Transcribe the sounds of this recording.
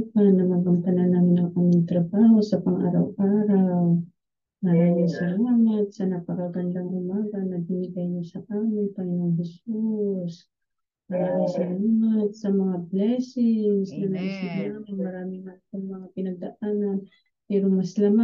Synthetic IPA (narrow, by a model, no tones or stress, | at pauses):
panɐmɐɡamt̪ɐnanːaːmɪnʔɐŋʔamɪŋt̪ɾɐbaːho̞sɐpɐŋʔa̰ːɾa̰wʔaːɾaw | mɐɾaːmɪŋsɪlaŋat̪̚sɐnɐpɐkɐɡɐnlaŋʔʊmaːɡɐnɐbɪnɪɡajɲasɐʔaːmɪnp̪ɐŋɪnaŋɦɛsus | mɐɾaːmɪsɪlaŋt̪̚sɐmɐŋaplɛsɪŋŋsnɐnɐʔisɪb̚naːmɪnmɐɾaːmɪŋmant̪aŋmɐŋapɪnɐnd̪aʔaːnan | pɛːɾomɐslama